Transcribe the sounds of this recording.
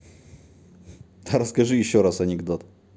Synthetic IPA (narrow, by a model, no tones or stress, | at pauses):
t̪ʰaɾaskaʐɨjiɕɔɾasanʲɛɡd̪ɔt̪